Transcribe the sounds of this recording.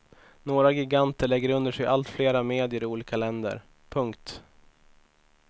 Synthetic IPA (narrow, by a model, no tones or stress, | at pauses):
noːɾaɡɪɡant̪əɭɛɡːəɾɵnd̪əʂɛjʔalt̪fleːɾameːd̪ɪəɾɪuːliːkalɛnd̪ə̰ɾ | pʰɵŋkt̪